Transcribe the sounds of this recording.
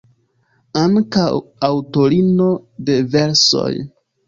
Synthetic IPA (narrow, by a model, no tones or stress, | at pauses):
aŋkawawto̞ɾino̞de̞ve̞ɾso̞̰j